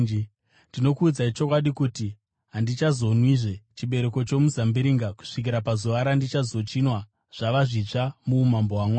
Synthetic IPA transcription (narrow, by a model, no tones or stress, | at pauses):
ndino̞kuːd͡zait͡ʃokwaɗikuti | ɦandit͡ʃazo̞nwiʐe̞t͡ʃiɓe̞ɾe̞ko̞t͡ʃo̞muzambiɾiŋɡaku̥ʂik̬iɾapazoʋaɾandit͡ʃazo̞t͡ʃinwa | ʐ̥aʋaʐit͡ʂamuːmamboɦwamwaː